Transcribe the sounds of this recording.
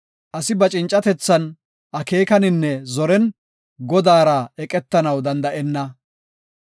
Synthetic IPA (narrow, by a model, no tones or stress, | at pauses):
ʔɐsɪbɐt͡ʃʼɪnt͡ʃʼɐt̪ɛt͡sːɐn | ʔɐke̞ːkɐnɪnːɛzɔɾɛn | ɡɔd̪aːɾɐɛkʼɛt̪ːɐnɐwd̪ɐnd̪ɐʔɛnːɐ